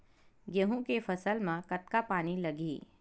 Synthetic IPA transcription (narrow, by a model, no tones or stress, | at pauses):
ɡeɦũkefʰɐsəlmãkət̪̚kapaːnilɐɡiː